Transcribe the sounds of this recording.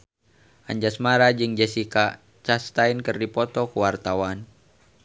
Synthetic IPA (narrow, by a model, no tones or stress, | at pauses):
ʔa̰ɲd͡ʒasmaɾad͡ʒɨŋd͡ʒasika | t͡ʃast̪ainkɨrdipɔt̪ɔkuwart̪awan